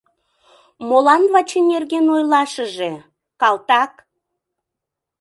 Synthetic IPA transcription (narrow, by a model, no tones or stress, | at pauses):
molɑnβɑt͡ɕenerɣenojlɑʃəʒe | kɑlˠt̪ɑk